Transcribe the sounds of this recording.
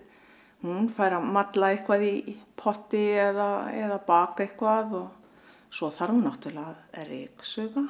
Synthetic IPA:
hunfaːjɾamat̪laehkvaðipʰɔht̪ɪɛðaɛ̰ðapaːkaehkvaðɔɣ | sɔθaɾhunawht̪ɪlaɣðrɪ̰ːksœːɣa

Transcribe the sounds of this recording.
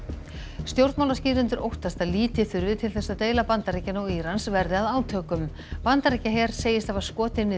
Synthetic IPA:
st̪jowɾt̪mawlasciːɾʏnt̪ʏɾʔowht̪ast̪aliːt̪ɪθʏɾvɪt̪ʰɪlθɛsːat̪eːjlapant̪aɾecɪnɔwiɾansvɛɾðɪaðaːwt̪ʰœːkʏm | pant̪aɾejcaɦɛːɾ̥seːjɪst̪avaɾ̥skɔːt̪ɪnɪ

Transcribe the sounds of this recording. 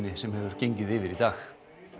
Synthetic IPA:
nɪsɛmhɛvʏɾ̥cejɲcɪðɪːvɪɾit̪aːx

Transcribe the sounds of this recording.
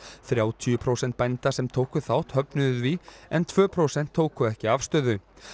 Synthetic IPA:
θɾjaːwt̪ʰiʏpʰɾowsɛnt̪̚pajnt̪asɛmt̪ʰowkʏθawht̪hœpnʏðʏðviɛnt̪ʰvœːpʰɾowsɛn̥t̪ʰːoːwkʏɛhcɪafst̪œːðʏ

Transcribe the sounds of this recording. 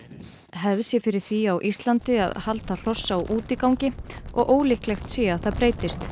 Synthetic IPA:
ɦɛvsjɛfɪɾɪɾ̥θiawʔist̪lant̪ɪa̰ðhalt̪al̥ɔsːauʔuːt̪ɪkawŋcɪɔ̰ɣʔoːwlɪhklɛxt̪sɛːaθaðpɾeːjt̪ɪst̪

